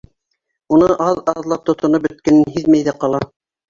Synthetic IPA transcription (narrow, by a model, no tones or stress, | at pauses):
unɤʔɑðɑðlˠɑp̚t̪ŏt̪ʰŏnɤp̚bɵ̆t̪̚kɘ̆nɘnɦiðmæjðæqɑlˠɑ